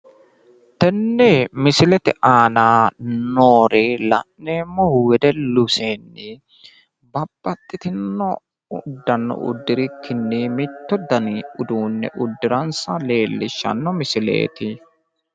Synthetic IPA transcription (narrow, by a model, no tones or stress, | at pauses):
t̪ɛnːɛmɪsɪlɛt̪ɪʔaːnaːnoːɾeːlɐ̰ʔneːmːɔhwɛd̪ɛlʊseːnːɪ | bɐb̥ːɐt̪ʼːɪt̪ɪnːɔ | d̪ːɐnːɔ̰ʔʊ̰d̪ːɪɾɪkʰːɪnːɪmɪt̪ːɔd̪ɐnɪʊd̪uːnːɛ̰ʔʊd̪ːɪɾɐnsɐle̞ːlːɪʃːɐ̰nːɔmɪsɪlḛːt̪ɪ